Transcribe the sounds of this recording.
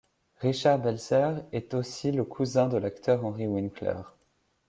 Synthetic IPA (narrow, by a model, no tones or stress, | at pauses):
ʁiʃaʁbɛlzɛʁɛt̪osiləkʰuzɛ̃d̪əlakt̪ʰœʁɑ̃ʁiwinklɛ̰ːʁ